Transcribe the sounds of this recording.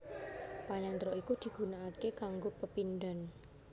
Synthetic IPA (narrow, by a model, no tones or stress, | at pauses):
paɲant̪ɾɔʔikud̪̥i̤ɡ̥ṳnaːkekaŋɡopəpinɖ̪a̤n